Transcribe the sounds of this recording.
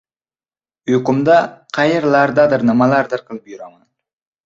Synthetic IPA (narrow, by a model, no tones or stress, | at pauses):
ɵkʊmd̪aqʰɑjɪɾlˠaɾd̪ad̪ɪɾnɨmalˠaɾd̪ɨɾqʰɨlˠɪp̚jyɾaman